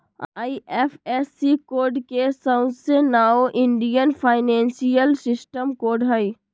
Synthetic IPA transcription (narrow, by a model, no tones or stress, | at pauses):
aːiʔeːfʰesikoːɾɖkesãʊ̃d̪senaːoʔɪ̃ɳɖijənpʰaːɪnɛ̃ːnsijəlsɪsʈəmkoːɾɖɦəi